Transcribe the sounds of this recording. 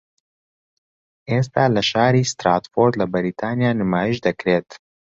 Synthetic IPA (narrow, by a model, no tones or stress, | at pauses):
ʔeːst̪aːlɐʃaːɾiːst̪ɾaːt̪foːd̪lɐbɐɾiːt̪ʰaːnjaːnɨmaːjiʃd̪ɐkɾeːt̪